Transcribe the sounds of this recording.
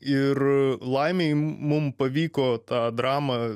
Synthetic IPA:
ɪɾlˠɐɪmʲejmʊmpɐʋʲiːkoːt̪ɑːd̪ɾɑːmɐ

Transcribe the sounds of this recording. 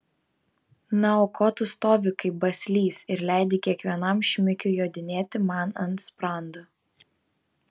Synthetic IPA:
nɐoːkʰɔːt̪ʊst̪oːʋʲɪkɐɪbɐsʲlʲiːsɪɾlʲæˑɪd̪ʲɪkʲiɛkʋʲiɛnɐmʃʲmʲɪkʲʊjoːd̪ʲɪnʲeːt̪ʲɪmɑˑnɐnspɾɑˑnd̪o

